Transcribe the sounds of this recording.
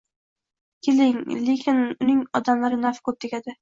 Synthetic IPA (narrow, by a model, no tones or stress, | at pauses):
kʲʰelɪŋlekʲʰɪnʊnɪŋɒd̪amlaɾɪnafkʰɵp̚t̪ʰɪkʲad̪ɪ